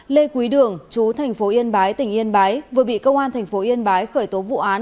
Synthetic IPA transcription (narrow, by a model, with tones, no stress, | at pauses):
le˧kwi˨˦ɗɨ˨˩əŋt͡ɕu˨˦t̪ʰa˨˩ŋ̟fo˨˦ʔi˧ənɓaː˨˦jt̪ï˧˩ŋ̟ʔi˧ənɓaː˨˦jvɨ˨˩əɓḭ˧˨kə˧wŋ͡mʔaː˧nt̪ʰɛ˨˩jŋ̟fo˨˦ʔi˧ənɓaː˨˦jxəː˧˩jt̪o˨˦vṵ˧˨ʔaː˨˦n